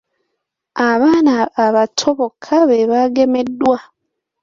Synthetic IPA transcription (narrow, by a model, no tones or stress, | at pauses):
aβaːnaːβatʰoβokʰaβe̞βaɡe̞me̞dːwa